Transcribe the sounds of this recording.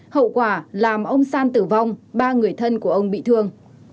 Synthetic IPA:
hə̰˧˨wkwaː˧˩laː˨˩mʔə˧wŋ͡msaː˧nt̪ɨ˧˩va˧wŋ͡mɓaː˧ŋɨ˨˩əjt̪ʰə˧nku˧˩əʔə˧wŋ͡mɓḭ˧˨t̪ʰɨ˧əŋ

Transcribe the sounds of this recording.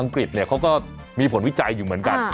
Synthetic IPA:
a˧ŋkɾi˨˩t̪̚ni˥˩ɐkʰa˦˥wkɔː˥˩ | miː˧pʰo˩˦nwi˦˥˩t͡ɕa˧jːuː˨˩mɯ˩˦ənka˧n

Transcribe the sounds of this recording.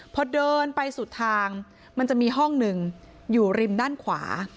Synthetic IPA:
pʰɔ˧dɤː˧npa˧jsuː˨˩t̪ʰaː˧ŋ | ma˧nt͡ɕa˨˩ʔ̚miː˧ɦɔ˥˩ŋnɯ˨˩ŋ | juː˨˩ɾi˧mdaː˥˩nkʰwa̰ː˩˦

